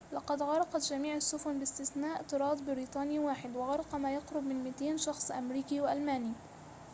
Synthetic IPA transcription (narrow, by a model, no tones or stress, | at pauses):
lɑqɑd̪ɣɑɾˤɑqɑt̪d͡ʒamiːʕasːʊfʊnbɪst̪ɪθnaːʔt̪ɨɾˤɑːd̪ˤbɪɾiːt̪ˤɑːniːwaːħɪd̪wɑɣɑɾˤɑqɑmaːjɑqɾʊbmɪnmɪt̪eːnʃɑxsˤʔamɾiːkiːwaʔalmaːniː